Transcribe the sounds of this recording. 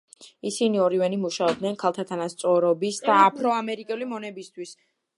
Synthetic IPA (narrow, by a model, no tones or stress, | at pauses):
isiniɔɾivɛnimuʃaɔb̚d̪nɛnkʰalˠt̪ʰat̪ʰanast̪sʼɔɾɔbisd̪aːpʰɾɔamɛɾikʼɛlimɔnɛbist̪ʰwis